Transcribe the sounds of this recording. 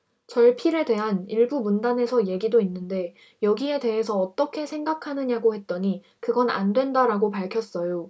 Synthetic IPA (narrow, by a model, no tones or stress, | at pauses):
t͡ɕʌɭpʰiɾede̞ɦaniɭbumundane̞sʰʌje̞ɡidoinːɯnde̞ | jʌɡie̞de̞ɦe̞sʰʌːt͈ʌkʰe̞sʰe̞ŋɡakʰanɯɲaɡohe̞t̚t͈ʌɲi | kɯɡʌna̰ndwe̞ndaɾaɡopaɭkʰjʌs͈ʌjo